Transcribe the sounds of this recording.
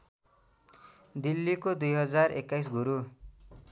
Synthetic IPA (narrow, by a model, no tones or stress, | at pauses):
d̪ilːikod̪ujɦʌd͡zarḛkːajs̬ɡuɾu